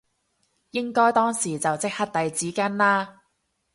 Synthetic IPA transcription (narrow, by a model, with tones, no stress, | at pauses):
jɪ˥ŋkɔː˥jt̪ɔː˥ŋsiː˨˩t͡sɐ˨wt͡sɪ˥k̚hɐ˥t̚t̪ɐ˨jt͡siː˨˥kɐ˥nlaː˥